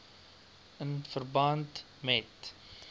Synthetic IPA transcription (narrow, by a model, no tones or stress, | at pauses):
ənfərbɐnt | mɛt